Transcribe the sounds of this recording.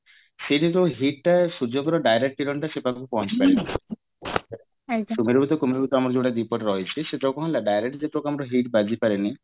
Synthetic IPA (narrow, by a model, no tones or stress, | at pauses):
seʈit̪ɔɦiʈʈasud͡ʒɔɡɔɾɔɖajɾek̚ʈiɾɔɳʈasepakupɔɦɔnt͡ʃi̥paɾeni | akumiɾbut̪̬ɔkumiɾbut̪ɔamɔɾɔd͡ʒoɽad̪ipɔʈɾɔɦet͡ʃʰiseʈakɔɦɔ̃laɖajɾek̚ʈd͡ʒepɾoɡɾamɔɾɔɦiʈbad͡ʒʱipaɾeni